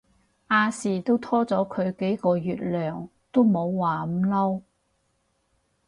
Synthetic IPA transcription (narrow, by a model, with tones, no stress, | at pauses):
ʔaː˧siː˨˩t̪o˥wt̪ʰɔː˥t͡sɔː˨˥kʰɵ˨˧ɥke˨˥jkɔː˧jyː˨t̚lœː˨˩ŋ | t̪o˥wmo˨˧wːaː˨m̩˨˧˥lɐ˥w